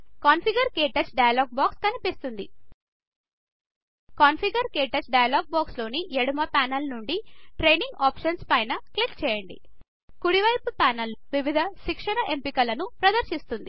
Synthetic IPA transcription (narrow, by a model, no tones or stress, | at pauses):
kaːnpʰiɡɐɾkeːʈɐt͡ʃɖɐjɐloːɡ̚baːkskɐnipist̪und̪ḭ | kaːnfʰiɡɐɾkeːʈɐt͡ʃɖɐjɐloːɡ̚baːkslo̞ːniʔeɽumɐpaːnɐlnuɳɖiʈɾe̞jniŋɡaːpʂɐnspɐjnɐklikt͡ʃɛːjɐɳɖḭ | kuɽiʋɐjpupaːnɐlːuʋiʋid̪ʱɐʃikʂɐnɐʔempikɐlɐnupɾɐd̪ɐɾʃist̪und̪i